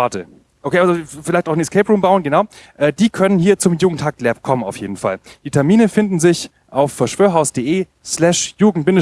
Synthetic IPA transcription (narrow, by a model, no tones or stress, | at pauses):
atə | ʔokʰeːʔazofɪlaɪçtaʊxnɛskʰɛːpʁuːmbaʊənɡənaʊʔɛːdiːkʰœnənhiːɐt͡sʊmjuːɡŋ̩tʰak̚tlɛp̚kʰɔmənaʊfjeːdn̩fa̰ld̥iːtʰɛɐmiːnəfɪndn̩zɪç | ʔaʊfːɛɐʃv̥øːɐɦaʊsd̥eːʔeː | slɛʃjuːɡŋ̩t̚b̥ɪnə